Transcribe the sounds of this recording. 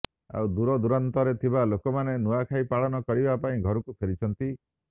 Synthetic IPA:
a̰wd̪uɾɔd̪uɾant̪ɔɾet̪ʰibalokɔmanenuakʰajpaɭɔnɔkɔɾibapaĩɡʱɔɾɔkupʰeɾit͡ʃʰɔnt̪i

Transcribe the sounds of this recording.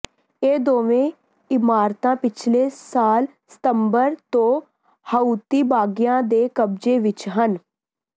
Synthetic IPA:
eːd̪oːʋẽː | ɪmaːɾt̪ãːpɪt͡ʃʰleːsaːl | sɪ̥t̪əmbəɾt̪õː | həut̪iːbaːɡjãːd̪eːkəb̚d͡ʒeːʋɪt͡ʃɦən

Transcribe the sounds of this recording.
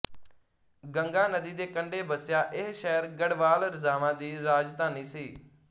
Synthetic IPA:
ɡəŋɡaːnəd̪iːd̪eːkəɳɖeːbəsɪjaːʔɪɦʃɛːəɾɡəɽʋaːlɾzaːmãːd̪iːɾaːd͡ʒt̪aːniːsiː

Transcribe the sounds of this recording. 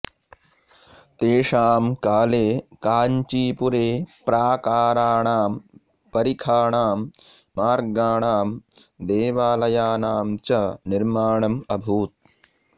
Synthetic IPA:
t̪eːʂaːmkaːleːkaːɲt͡ʃiːpuɾeːpɾaːkaːɾaːɳaːm | pɐɾikʰaːɳaːmː | aːɾɡaːɳaːm | d̪eːʋaːlɐjaːnaːmt͡ʃɐniɾmaːɳɐmɐbʱuːt̪̚

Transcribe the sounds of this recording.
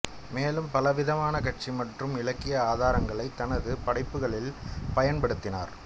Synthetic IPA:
meːlɯmpɐlɐʋɪðɐmaːnɐkɐʈ̚t͡ʃimɐʈrɯmɪlɐkːɪjɐaːðaːɾɐŋɡɐɭɐɪt̪ːɐnɐðɯpɐɽɐɪpːɯɣɐɭɪlpɐjɐnpɐɽɯt̪ːɪna̰ːɾ

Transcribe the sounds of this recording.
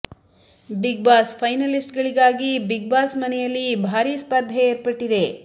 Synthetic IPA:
biɡ̚baːspʰɐjnɐlisʈɡɐɭiɡaːɡibiɡ̚baːsmɐnɛjɐlːibʱaːɾiːspɐd̪ʱːɐeːɾpɐʈːid̪e̞

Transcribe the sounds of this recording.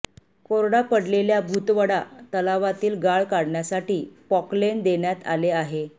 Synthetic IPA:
koɾɽapəɽleljabʱut̪ʋəɽat̪əlaʋat̪iːlɡaɭkaɽɳjasaʈiːpɔklend̪eɳjat̪a̰leaɦe

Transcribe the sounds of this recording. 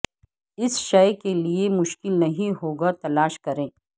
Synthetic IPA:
ɪsʃɐjkeliemʊʃkɪlnɐɦĩɦoːɡat̪ɐlaːʃkɐɾẽː

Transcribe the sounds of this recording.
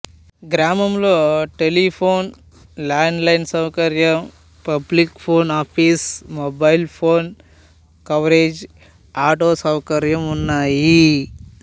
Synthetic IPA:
ɡɾaːmɐmloːʈelipʰoːn | laːɳɖlɐjnsɐwkɐɾjɐm | pɐblikpʰoːnaːpʰiːsmobɐjlpʰoːn | kɐʋɾeːd͡ʒ | aːʈoːsɐwkɐɾjɐmunːaːji

